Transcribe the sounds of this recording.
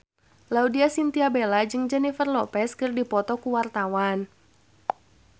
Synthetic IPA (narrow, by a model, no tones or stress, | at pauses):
laudiasint̪iabelad͡ʒɨŋd͡ʒɛnifərlɔpɛskərdipɔt̪ɔkuwart̪awan